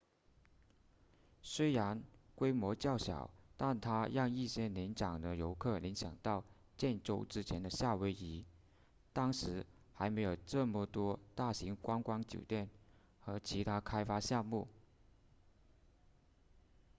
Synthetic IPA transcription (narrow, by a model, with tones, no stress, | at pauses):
swe˥ɪɻa˧˥nkwe˥ɪmwɔ˧˥t͡ɕjɑ˥˩ʊɕjɑ̰˨˩˦ʊt̪a˥˩nt̪ʰa˥ɻɑ˥˧ŋi˥˩ɕjɛ˥ni˧˥nt͡ɕjɑ˨˩ŋd̪ə˦jo˧˥ʊkʰɤ˥˩li˧˥ŋɕjɑ˨˩ŋt̪ɑ˥˧ʊ | t͡ɕjɛ˥˧nʈ͡ʂo˥˧ʊʈ͡ʂɻ̩˥t͡ɕʰjɛ˧˥nd̪ə˧ɕja˥˩we˧˥ɪi˧˥ | t̪ɑ˥ŋʂɻ̩˧˥ | xa˧˥ɪme˧˥ɪjo˨˩ʊʈ͡ʂɤ˥˩mə˨˩t̪wɔ˥t̪a˥˩ɕi˧˥ŋkwɑ˥ŋkwɑ˥ŋt͡ɕjo̰˨˩ʊt̪jɛ˥˩n | xɤ˧˥t͡ɕʰi˧˥t̪ʰa˥kʰa˥ɪfa˥ɕjɑ˥˧ŋmu˥˩